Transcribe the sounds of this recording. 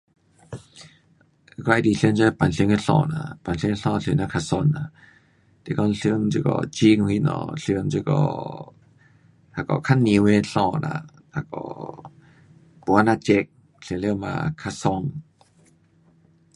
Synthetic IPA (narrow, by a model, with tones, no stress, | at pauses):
kɔ˧˨diː˨ɬə˨nt͡ɕɔ˧˦˧pa˨nɬi˧˨ŋi˧ɬɔ̰ː˧˩˨na̰˧˨pa˨nɬŋ˧ɬɔ˧˨ɬɯ˧˨na˧˨kʰa˧˨sɔ˧˨nːa˧˨ | t̪ɛ˧˨kɔ˧˨n˧ɬɯ˧ə˧ŋt͡ɕːkɔ̰˧˩t͡ɕi˧ŋ˧hi˧nɔ̰˧˩ɬɯ˧ə˧ŋt͡ɕɯ˧kɔ̰˧˩ | ha˧kɔ̰˨˩kʰa˧˥˨nːi˧˨we˧˨ɬɔ˧˩na̰˧˩ | ha˧kɔ̰˨˩ | pu˧˨a˧na˧˨t͡ɕe˧k̚ | ɬi˧˨le˧˨ma̰ː˧kʰa˧sɔ˧ŋ